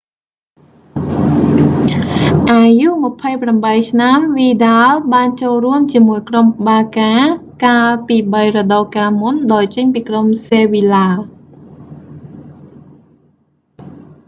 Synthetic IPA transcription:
ʔaːjuʔmə̆pʰəjpramɓəjt͡ɕʰnamʋiːɗaːlɓaːnt͡ɕoːlruəmt͡ɕiəmuəjkromɓaːkaːkaːlpiːɓəjrɔɗɑkaːmunɗaɔjt͡ɕəɲpiːkromseːʋilaː

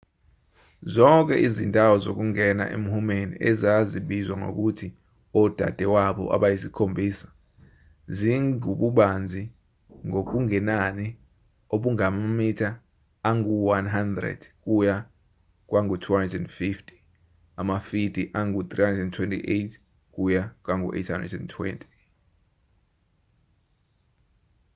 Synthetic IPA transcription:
zɔŋk̬ʼɛ̰ʔizindʼʱawɔzok̬uŋɛna̰ʔḛm̩humenḭʔɛzaziɓizwaŋo̰k̬utʰi | ɔd̥ʱa̰d̥ʱɛwaɓɔ̰ʔa̰ɓajisikʰombʱiːsḁ | ziŋuɓuɓand͡zʱi | ŋok̬uŋɛnani | oɓuŋamamitʰaː | ŋɡuwanɦandrɛ̰d̥k̬ʼuja | k̬ʼwaŋɡutʰuandɛndfiftʰʼi̥ | amafidiʔaŋɡut̪ʼrihandrɛntʰwɛntʰʼḭʔejtʰ | k̬ʼujak̬ʼwaŋṵʔḛjtʰa̰ndɛntʰwɛ̰ntʰʼi̥

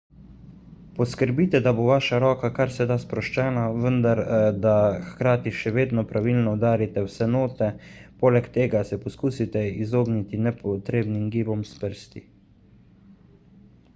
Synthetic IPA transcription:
pɔskəɾbiːt̪ɛd̪aboʋaːʃaɾɔːkakaɾsɛd̪aspɾɔʃt͡ʃɛːnaʋənd̪aɾd̪axkɾaːt̪iʃɛʋeːd̪nɔpɾʔaʋilnɔːd̪aːɾit̪ɛwsɛnoːt̪ɛpoːlɛkt̪eːɡasɛpɔskuːsit̪ɛizoːɡnit̪inɛpɔt̪ɾeːbnimɡiːbɔmspəɾst̪i

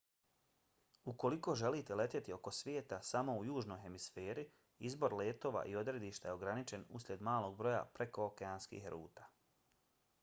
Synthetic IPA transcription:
uko̞liko̞ːʒe̞liːt̪e̞le̞t̪jet̪io̞ko̞sʋʲje̞ːt̪asamo̞ujuːʒno̞jxe̞misfe̞ːɾi | izbo̞ɾle̞ːt̪o̞ːʋa̰ʔio̞d̪ɾe̞d̪iːʃt̪ajeo̞ɡɾanit͡ʃe̞nṵsɾʲe̞d̪maːlˠo̞ɡ̚bɾo̞ja̰pɾe̞ko̞okeaːnskḭːxɾṵːt̪ḁː

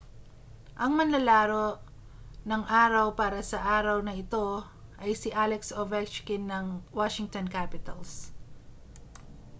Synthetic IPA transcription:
ʔɐŋmɐnlɐlaːɾo̞ʔ | nɐŋʔaːɾɐwpaːɾɐsɐʔaːɾɐwnɐɪt̪o̞ | ʔɐjsɪʔalɛksovɛt͡ʃkɪnːɐŋwaʃɪŋt̪onkapɪt̪ɐls

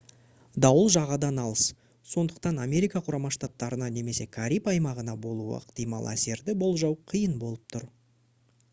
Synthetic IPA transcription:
d̪ɑwəlˠʒɑʁɑd̪ɑnɑlˠəs | so̞nd̪əq̚t̪ɑnamʲe̞ɾijkɑqʰʊɾɑmɑʃt̪at̪ːɑɾənɑne̞me̞se̞kʰaɾʲipɑjmɑʁənɑbo̞lˠuə̰ə̰qt̪ijmɑ̰lˠæ̰se̞ɾd̪ɪbo̞lˠʒɑwqʰijənbo̞lˠəp̚t̪ʰʊɾ

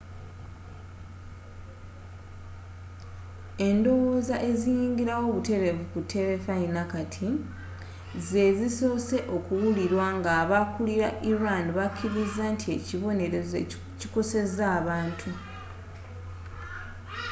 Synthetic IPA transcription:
e̞ndo̞wo̞ːzaʔe̞zijiːŋɡiɾawo̞ːβute̞βe̞vukutʰːe̞ɾe̞fainakatʰi | ze̞ziso̞ːse̞ʔo̞kuwuliɾwaŋɡaːβakuliɾaʔiɾanβakʰːiɾizantʰie̞ciβo̞neɾe | ciko̞se̞zaːβaːntʰu

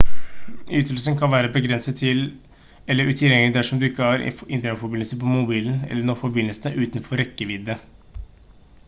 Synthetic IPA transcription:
yːt̪əlsənkʰɑnʋæːɾəbəɡɾɛnsət̪ʰːɪl | ɛlːəɾʉːt̪ʰɪljɛŋlɪd̪æʂɔmd̪ʉɪkːəhɑɾ̰ɪnt̪əəfɔɾbɪnəlsəpʰɔmʊbiːln̩ɛ̰lːənoːfɔɾbɪnːəlsənəʔʉːt̪nfɔɾːɛkːəʋɪd̪ːə

